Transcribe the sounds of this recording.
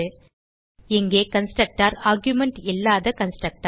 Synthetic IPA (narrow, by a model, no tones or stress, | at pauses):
ɯ | ɪŋɡeːkɐnsʈɾɐk̚ʈaːɾaːɾɡjʊmɛɳʈɪlːaːðɐkɐnsʈɾɐk̚ʈa